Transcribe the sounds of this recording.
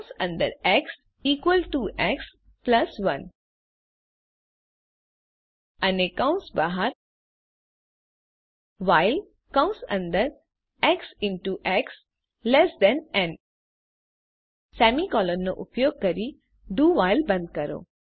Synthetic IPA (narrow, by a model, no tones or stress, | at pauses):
sɐ̰̃nd̪ə̰ɾɛks | iːkwəlʈuʔɛks | plɐsʋɐn | ɐnekə̃w̃sbaɦaɾ | ʋaɪl | kə̃ʊ̃sɐ̰̃nd̪əɾ | ɛksɪ̃ɳʈuʔɛks | lesd̪ɛ̃nɛ̃n | sɛːmikɔːlənːo̰ʔupjoːɡ̚kɐɾi | ɖuːʋaɪlbɐ̃nd̪̚kɐɾo̰ː